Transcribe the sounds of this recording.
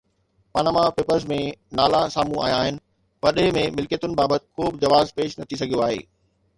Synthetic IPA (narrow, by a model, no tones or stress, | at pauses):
paːnaːmapeːpəɾzmẽnaːlasaːmũa̰ːjaːɦɪnɪ̆ | pɐɾɗəɦɪmẽmɪlkjət̪ʊnɪ̆baːbət̪ɪ̥̆koːbɪd͡ʑɐʋaːzpeːʃnɐt̪ʰisɐɡʱijoaːɦḛː